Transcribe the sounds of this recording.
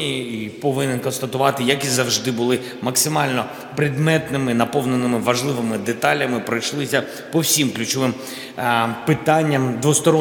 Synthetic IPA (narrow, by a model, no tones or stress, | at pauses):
ipɔʋɪnɪnkɔnst̪ɐt̪ʊʋɑt̪ɪjɐkizɐwʒd̪ɪbʊlˠɪ | mɐksɪmɑlʲnɔ | pɾɪd̪mɛt̪nɪmɪnɐpɔwnenɪmɪʋɐʒlˠɪʋɪmɪd̪et̪ɑlʲːɐmɪpɾɐjʃlˠɪsʲɐ | pɔwsʲimklʲʉt͡ʃɔʋɪm | pɪt̪ɑnʲːɐmd̪ʋɔst̪ɔɾɔ